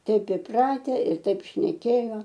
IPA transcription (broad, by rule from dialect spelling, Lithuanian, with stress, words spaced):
ˈtʲɛɪp ɪˈprɑːtʲɛ ɪr ˈtɐɪp ʃʲnʲɛˈkʲeːjoː